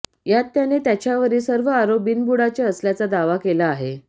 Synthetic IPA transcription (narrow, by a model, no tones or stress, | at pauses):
jat̪ːjanet̪jat͡ɕjaʋəɾiːsəɾʋəaɾobiːnbuɽat͡ɕaəsljat͡sad̪aʋakelaːɦe